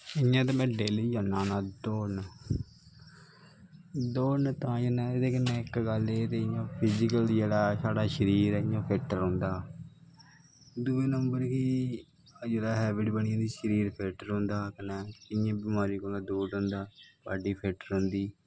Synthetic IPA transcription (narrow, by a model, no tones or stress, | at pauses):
ɪãːt̪̬eːmɛ̃ːɖeːlid͡ʒənːãːnãːd̪oːn | d̪oːnt̪ãːd͡ʒənãːed̪eːkənːeːɪkɡəleːt̪eːɪjãːpʰɪd͡ʒɪkəld͡ʒeːɽaːsaːɖaːʃəɾiːɾɛːɪjãːpʰeːʈəɾɦõːnd̪aː | d̪uːeːnəmbəɾkiː | d͡ʒeːɽaːɦɛːbɪɖbəɳiãːd̪iːʃəɾiːɾpʰeːʈəɾɦõnd̪aːkənɛːkɪjãːbɪmaːɾiːkoːlãːd̪uːɖõːnd̪aːbaːɖiːpʰeːʈəɾʊ̃ːnd̪iː